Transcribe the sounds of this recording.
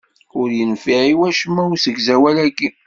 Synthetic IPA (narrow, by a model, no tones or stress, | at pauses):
ʊɾjənfiʕiwæʃəmːæusəɡzæwælækːi